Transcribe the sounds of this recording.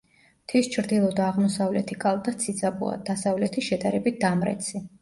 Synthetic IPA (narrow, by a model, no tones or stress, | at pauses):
t̪ʰist͡ʃʰɾd̪ilˠɔd̪aːʁmɔsavlɛt̪ʰikʼalˠd̪at̪sʰid̪zabṵa̰d̪̥asavlɛt̪ʰiʃɛd̪aɾɛbit̪̚d̪amɾɛ̰t̪sʰi